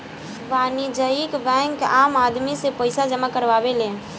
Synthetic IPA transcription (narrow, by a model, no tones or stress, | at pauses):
banid͡ʒəikbɛ̃ŋkamad̪misepəɪsad͡ʒəmakəɾʋabelẽ